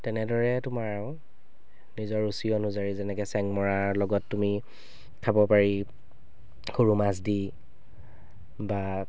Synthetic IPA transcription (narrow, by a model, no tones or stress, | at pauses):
tɛnɛdɔɹɛtʊmaɹaʊ̃ | nizɔɹusiɔnuzaɹizɛnɛkɛsɛŋmɔɹalɔɡɔtːumi | kʰabɔpaɹi | xoɹumas̬di | ba